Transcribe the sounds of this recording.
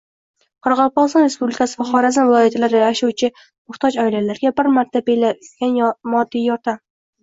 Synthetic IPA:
qʰɒɾɑʁɒlˠpɒst̪ɒnɾe̞spublɪkʰasɪvaχɒɾazanvɪlˠɒjat̪ʰalaɾɪaʃuwt͡ʃʰɪ | mʊχt̪ʰɒd͡ʒɒɪlalaɾɪɡʲabɪɾmaɾt̪ʰabelaɡʲanmɒd̪ːijjɒɾt̪ʰam

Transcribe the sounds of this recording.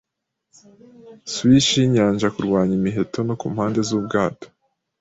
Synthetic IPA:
swiʃiɲaːɲʒakuɾɡwaːɲimiɦe̞tʰo̞nokuːmhaːnde̞zub̚ɡaːto̥

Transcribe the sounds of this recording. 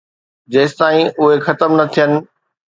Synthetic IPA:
d͡ʑɐːst̪aːĩʔʊɦexɐt̪əmnɐt̪ʰijənɪ̆

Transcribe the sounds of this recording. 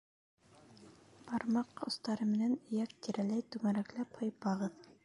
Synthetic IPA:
bɑɾmɑqŏ̰st̪ɑɾɤmɘ̆nænɵ̆jæk̚t̪iɾælæjt̪ʉmæɾæklæphŏjpɑʁɤð

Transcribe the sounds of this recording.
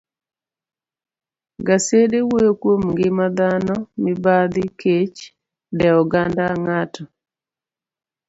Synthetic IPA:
ɡasedewojokwomŋɡɪmad̪anɔmɪbad̪ɪkʰet͡ʃ | dɛɔɡandaŋatɔ

